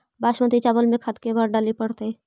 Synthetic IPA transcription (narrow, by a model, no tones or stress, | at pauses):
baːʃmə̃t̪it͡ʃaːbəlmẽkʰɐt̪kebəɾɖaːlipəɽt̪e